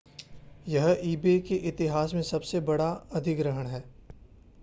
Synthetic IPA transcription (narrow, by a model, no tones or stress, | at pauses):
jɐɦiːbekeʔɪt̪ɪɦaːsmẽsɐbsebɐɽaɐd̪ʱɪkɾɐɦəɽ̃ɦɛː